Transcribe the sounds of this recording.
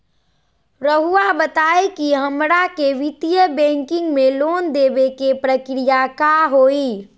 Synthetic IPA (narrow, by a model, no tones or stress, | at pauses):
ɾəɦuabət̪aːekiɦəmɾakeʋit̪ijəbɛ̃ŋkɪ̃ŋɡmelond̪ebekepɾəkɾijakaɦoi